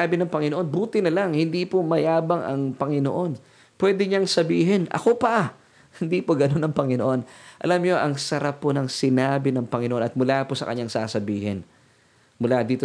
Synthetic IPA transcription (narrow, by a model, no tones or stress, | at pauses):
aːbɪnɐŋpɐŋɪnoʔo̞nbuːt̪ɪnɐlaŋhɪnd̪ipomɐjaːbɐŋʔɐ̰ŋpɐŋɪno̰ʔo̞n | pwɛd̪ɪɲaŋsɐbiːɦɪnʔɐ̰ko̞pɐ | hɪnd̪iːpoɡɐno̞nɐŋpɐŋɪnoʔo̞nʔɐ̰lamɲo̞ʔɐŋsɐɾapːonɐŋsɪnaːbɪnɐŋpɐŋɪnoʔnɐt̪̚mʊlaːposɐ̰kɐ̰ɲːaŋsaːsɐbiːhɪ̰n | mʊlad̪iːt̪o